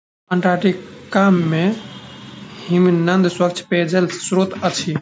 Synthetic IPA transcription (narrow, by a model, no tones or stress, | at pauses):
ə̃ɳʈɾaʈikamːe | himnənd̪swəkt͡ʃʰped͡ʒelsɾot̪ət͡ʃʰi